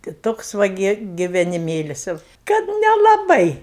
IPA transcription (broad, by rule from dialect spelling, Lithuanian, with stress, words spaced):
tɐɪ ˈtoːks ˈʋɐ ɡʲɪ ɡʲɪʋʲɛnʲɪˈmʲeːlʲɪs jɛʊ ˈkɐt nʲɛlˠɐˈbɐɪ